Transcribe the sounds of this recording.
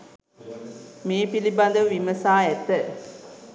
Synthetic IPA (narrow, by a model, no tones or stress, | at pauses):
miːpilibɐnd̪əʋʋimɐsaːɛt̪ːə